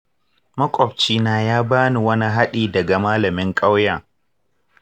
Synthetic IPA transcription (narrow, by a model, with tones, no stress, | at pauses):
mɐ˦kʷʼɔ˨b̚t͡ʃiː˦naː˦jaː˦baː˦ni˨wɐ˦ni˦ɦa˦ɗiː˨dɐ˨ɡa˨maː˦lɐ˨mɪ˦ŋkʼa˦wjaː˨